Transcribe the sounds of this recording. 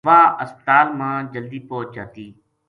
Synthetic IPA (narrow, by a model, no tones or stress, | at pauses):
ʋaːəst̪aːlmãːd͡ʒəld̪iːpoːt͡ʃd͡ʒaːt̪iː